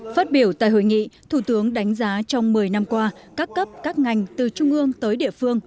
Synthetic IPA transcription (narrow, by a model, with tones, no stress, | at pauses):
faː˦˥t̚ɓi˧˩əwt̪a̰ː˧˨jɦo̰˧˨jŋḭ˧˨t̪ʰu˧˩t̪ɨ˨˦əŋɗa˨˦jŋ̟zaː˨˦t͡ɕɔ˧wŋ͡mmɨ˨˩əjna˧mkwaː˧kaː˦˥kːə˦˥p̚kaː˦˥k̚ŋa˨˩jŋ̟t̪ɨ˨˩t͡ɕʊ˧ŋ͡mʔɨ˧əŋt̪əː˨˦jɗḭ˧˨əfɨ˧əŋ